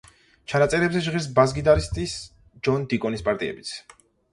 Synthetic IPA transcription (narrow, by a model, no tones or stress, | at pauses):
t͡ʃʰanat̪sʼɛɾɛbzɛʒʁiɾs̬bazɡid̪aɾist̪ʼis | d͡ʒɔnd̪ikʼɔnispʼaɾt̪ʼiɛ̰bit̪sʰ